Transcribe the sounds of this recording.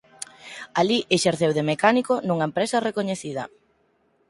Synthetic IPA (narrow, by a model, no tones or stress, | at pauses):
aliʔeʃeɾθewðemekanikonuŋɐempɾesɐrekoɲeθiðɐ